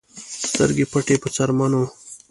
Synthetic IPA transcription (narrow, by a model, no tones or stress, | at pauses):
st̪ə̰ɾɡipʰɐʈepət͡sɐɾmano